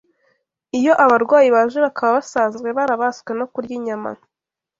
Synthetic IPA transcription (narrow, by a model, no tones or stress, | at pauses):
ijo̞ʔaβaɾɡwaːjiβaːʒeβakʰaβaβasaːnzɡwe̞βaɾaβasɡwe̞no̞kuɾɟiɲama̰